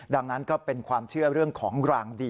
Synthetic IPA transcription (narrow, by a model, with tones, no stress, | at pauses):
da˧ŋna˦˥nkɔː˥˩pe˧nkʰwaː˧mt͡ɕʰɯ˥˩ɐɾɯ˥˩əŋkʰɔː˩˦ŋɾaː˧ŋdiː˧